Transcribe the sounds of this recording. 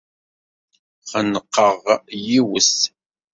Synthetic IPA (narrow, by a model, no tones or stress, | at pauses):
χənəqːəʁjiwəs